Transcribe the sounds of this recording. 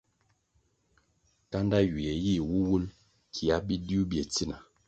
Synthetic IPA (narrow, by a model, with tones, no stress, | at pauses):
ka˦nda˦ɥi˨ɛ˨ji˦˨wu˦wu˦l | kʰi˨a˦bi˦di˦u˦bje˨ti˦na˨